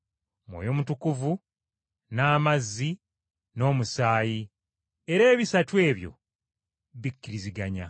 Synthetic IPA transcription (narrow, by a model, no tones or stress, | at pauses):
mwo̰jo̞ːmutukuvu | naːmazːi | no̞ːmusaːji | eɾe̞ːβisatwe̞ːβjo̞̰ | βikːiɾiziɡaɲa̰